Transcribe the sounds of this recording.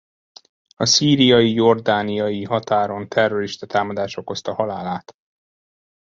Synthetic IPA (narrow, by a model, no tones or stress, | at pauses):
ɒsiːɾijɒjijo̞rd̪aːnijɒjiɦɒt̪aːɾo̞nt̪ʰɛrːo̞ɾiʃt̪ɒt̪aːmɒd̪aːʃo̞ko̞st̪ɒhɒlaːlaːt̪